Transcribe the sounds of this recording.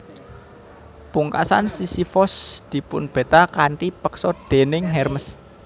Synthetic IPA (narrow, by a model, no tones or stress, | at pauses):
puŋkasansisifɔsd̪̥i̤pʊnb̥e̤t̪akaɳʈipəksɔd̪̥e̤nɪŋɦɛrməs